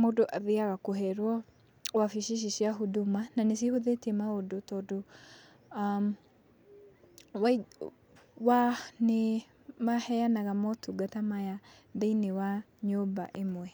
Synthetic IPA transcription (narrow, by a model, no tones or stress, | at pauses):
modoʔaðeaɣakoɦɛɾwɔ | wafiʃiʃ̬iʃiaɦodomananes̬ihoðetɛmaodotɔdo | m | wa | wane | mahɛjanaɣamɔtʰuɡatamaja | ðeinewaɲobaʔemwɛ